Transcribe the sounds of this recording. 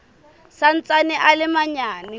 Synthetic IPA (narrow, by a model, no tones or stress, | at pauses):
san̩t͡sʼanɪʔalɪmaɲaːni